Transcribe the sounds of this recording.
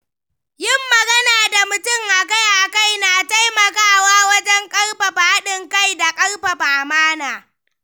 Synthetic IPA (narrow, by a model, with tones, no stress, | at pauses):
jɪ˦mːɐ˨ɡɐ˦naː˨da˨mʊ˨tʊ˦˨ŋʔa˨ka˦jʔa˨ka˦˨jnaː˨ta˦jmɐ˨kaː˦waː˦wɐ˦d͡ʒɛ˦ŋkʼɐ˦rɸa˨ɸaː˦ɗɪ˨ŋka˦jda˨kʼɐ˦rɸa˨ɸaː˨maː˦naː˨